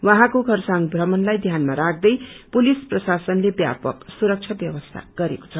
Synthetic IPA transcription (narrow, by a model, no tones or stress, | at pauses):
waɦãkoɡʱʌrsaŋbʱrʌmʌnlajd̪ʱjanmaɾak̚ʰd̪ʌjpulisprʌsasʌnlebja̰pʌksuɾʌk̚t͡sʰʌbjʌwʌst̪ʰa̰ɡ̥ʌɾeko̥t͡sʰʌ